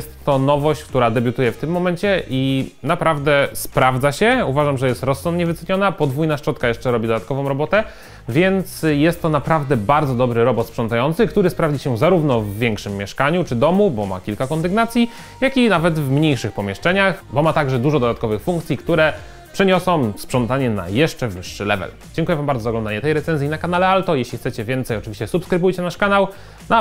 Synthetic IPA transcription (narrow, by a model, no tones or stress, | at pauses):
ɛst̪ːɔnɔvɔɕt͡ɕk̚t̪uɾad̪ɛbʲjut̪ujɛft̪ɘmːɔmɛɲt͡ɕɛʔinapɾavd̪ɛspɾavd̪zaɕɛuvaʐamʐɛjɛst̪ɾɔsːɔnd̪̚ɲɛvɘt̪sɛɲɔnapɔd̪vujnaʂt͡ʂɔt̪̚kajɛʂt͡ʂɛɾɔbʲid̪ɔd̪at̪̚kɔvɔ̃w̃ɾɔbɔt̪ɛ | vʲjɛnt̪sjɛst̪ːɔnapɾavd̪ɛbaɾd̪zɔd̪ɔbɾɘɾɔbɔt̪spʂɔnt̪ajɔnt̪sɘkt̪uɾɘspɾavd͡ʑiɕɛzaɾuvnɔvːʲjɛŋkʂɘmːjɛʂkaɲut͡ʂɘd̪ɔmubɔma̰kʲilkakɔnd̪ɘɡnat̪sʲji | jakʲinavɛt̪vmɲejʂɘxpɔmʲjɛʂt͡ʂɛɲaxbɔmat̪aɡʐɛd̪uʐɔd̪ɔd̪at̪̚kɔvɘxfuŋkt̪sʲjikt̪uɾɛ | pʂɛɲɔsɔ̃m̃spʂɔnt̪aɲɛna̰jɛʂt͡ʂɛvɘʂːɘlɛvɛ̰l | d͡ʑɛŋkujɛvambaɾɔzaɡlɔ̃nd̪aɲɛt̪ɛjɾɛt̪sɛnzʲjinakanalɛalt̪ɔjeɕlʲixt̪sɛt͡ɕɛvʲjɛnt̪sɛjɔt͡ʂɨvʲiɕt͡ɕɛsupskɾɘbujt͡ɕɛnaʂkanaw | na